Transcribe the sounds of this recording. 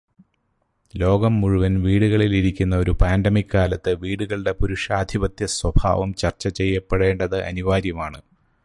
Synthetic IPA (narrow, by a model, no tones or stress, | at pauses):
lo̞ːɡɐmːuɻuʋɐnʋiːɽuɣɐɭiliɾikʲːunːɐo̞ɾupaːndɐmikːaːlɐt̪ːɨʋiːɽuɣɐɭɽe̞puɾuʂaːd̪ʱibɐt̪jɐswɐbʱa̰ːʋɐmt͡ɕɐrt͡ɕːɐt͡ɕe̞jːɐpːeɽe̞ːɳɖɐðɨʔɐ̰niʋaːɾjɐmaːɳɨ